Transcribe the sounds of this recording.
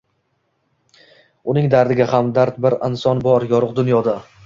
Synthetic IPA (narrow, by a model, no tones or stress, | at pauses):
ʊnɪŋd̪aɾd̪ɪɡʲahamd̪aɾt̪̚bɪɾɪnsɒnbɒɾjɒɾɨqd̪ʊnjɒd̪a